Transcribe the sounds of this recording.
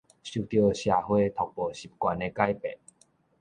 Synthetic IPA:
ɕu˨˩t̪jo˨˧ɕja˨˩hwe˥˧t̪ʰɔ˨k̚pɔ˨˩ɕi˨˩p̚kwa˨ne˧ka˦jpɛ˨ʔ̚

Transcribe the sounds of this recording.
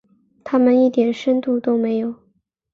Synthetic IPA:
t̪ʰa˥mə˨ni˥˩t̪jɛ˨˩nʂə˥nt̪u˥˩t̪o˥ʊme˧˥ɪjo˨˩˦ʊ

